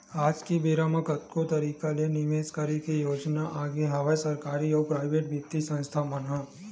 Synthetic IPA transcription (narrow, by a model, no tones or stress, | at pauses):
aːd͡ʒkibiːɾaːməkət̪kot̪ɐɾiːkalenɪʋeːskəɾikijoːd͡ʒnaʔaːɡeɦɐʋasɐɾkaːɾiɔːpɾaːɪʋeːʈʋɪt̪ːisə̃nst̪ʰamənɦã